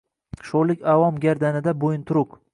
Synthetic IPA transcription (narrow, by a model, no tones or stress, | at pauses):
ʃolɪkʲavɒmɡʲaɾd̪anɪd̪abojɪnt̪ʰʊɾʊq